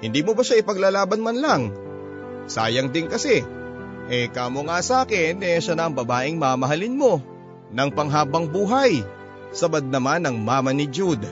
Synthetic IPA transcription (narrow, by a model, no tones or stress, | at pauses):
hɪnd̪iːmobɐʃaɪpɐɡlalaːbɐnmɐnlɐŋ | sa̰ːjɐŋd̪ɪnkɐsɛʔɛkaːmoŋasaːkɪnɛʃanɐʔːŋbɐbaːʔɪŋmamɐɦalɪnmo̞ | nɐŋpɐŋɦaːbɐŋbuːɦɐj | sɐbɐd̪̚nɐmanːɐŋmaːmɐnɪd͡ʒud̪